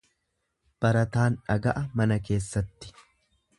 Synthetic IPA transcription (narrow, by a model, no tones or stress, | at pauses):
b̥ɐɾɐt̪aːnᶑɐɡɐʔɐmɐnɐke̞ːsːɐt̪ːɪ̥